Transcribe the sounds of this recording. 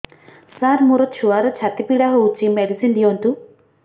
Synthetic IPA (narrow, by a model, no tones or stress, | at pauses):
saɾmuɾɔt̪t͡ʃʰuʋaɾɐt͡ʃʰat̪ipiɽaɦout͡ʃimeɽisind̪ijont̪u